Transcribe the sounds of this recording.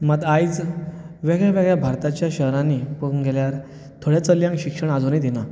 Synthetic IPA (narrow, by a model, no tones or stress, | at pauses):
məd̪ajt͡s | ʋeɡɭjaʋeɡɭjabʱaɾt̪at͡ɕjaɕəɦɾãnːipuɡʱeljaɾ | t̪ʰoɽjat͡səljãŋkɕikʂəɳ̃ad͡zonid̪ina